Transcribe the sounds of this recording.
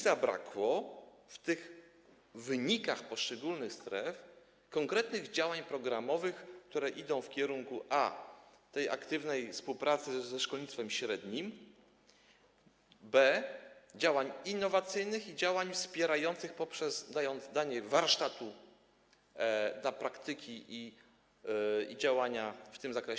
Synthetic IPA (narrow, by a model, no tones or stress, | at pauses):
zabɾa̰kwɔft̪ɘɣ | vɘɲikaxpɔʂt͡ʂɛɡulnɘxst̪ɾɛf | kɔŋkɾɛt̪nɘɣd͡ʑawaɲpɾɔɡɾamɔvɘxkt̪uɾɛʔid̪ɔ̃w̃fkʲɛɾuŋkuʔat̪ɛja̰kt̪ɘvnɛjfspuwpɾʔat̪sɘzɛʂkɔlɲit̪t̪fɛmɕɾɛd̪ɲim | bɛd͡ʑawaɲinːɔvat̪sɘjnɘxid͡ʑawaɲfspʲjɛɾajɔnt̪sɘxpɔpʂɛzd̪ajɔnd̪zd̪aɲɛvaɾʂt̪at̪u | d̪lapɾakt̪ɘkʲiʔi | id͡ʑawaɲaft̪ɘmzakɾɛɕ